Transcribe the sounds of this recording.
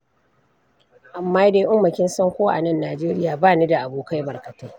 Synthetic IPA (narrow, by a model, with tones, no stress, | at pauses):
ʔa˨mːaː˦de˦jʔʊ˦mːɐ˨kʲɪ˦nsɐ˦ŋkʷoː˦ʔa̰˨nɐ˦nːaː˨d͡ʒeː˦ɾɪ˦jaː˨baː˦˨ni˦da˨ʔa˨buː˦ka˦jbɐ˨rkɐ˨ta˦